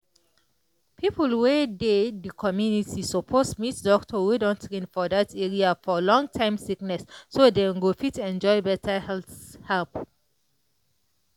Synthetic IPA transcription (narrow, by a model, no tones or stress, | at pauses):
pʰipəlwededəkʰɔmjunitisopʰosmitdɔktʰɔwudɔ̃ntʰɹĩnfɔdatʰɛɹiafɔlɔ̃ŋtʰãɪ̃msiknɛsːodẽɡofitɛ̃nd͡ʒɔɪbɛtʰəhɛlθhɛlp